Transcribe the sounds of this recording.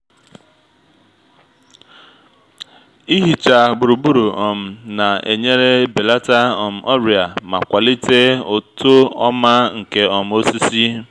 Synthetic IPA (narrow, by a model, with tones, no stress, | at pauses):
i˦ɦi˨t͡ʃa˨bʊ˨ɾu˨bu˦ɾu˨ɔ˨m̩˨na˨ḛ˨ɲe˦ɾe˦be˨la˦ta˦ɔ˨m̩˨ʔɔ˦ɾi˨a˨ma˨kʷa˨li˦te˦o˨to˦ɔ˦ma˦ŋ̩˨ke˦ɔ˨m̩˨o˦si˦si˦